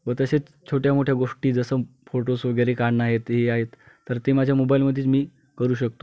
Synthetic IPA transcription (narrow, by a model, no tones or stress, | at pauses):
ʋət̪əset͡s | t͡ɕʰoʈjamoʈʰjaɡoʂʈiːd͡zəsəfoʈosʋəɡeɾekaɽnaɦet̪ɦeaɦet̪ː | əɾt̪emad͡ʑʱjamobailməd̪ʱːiːt͡smiː | kəɾuːɕək̚t̪o̥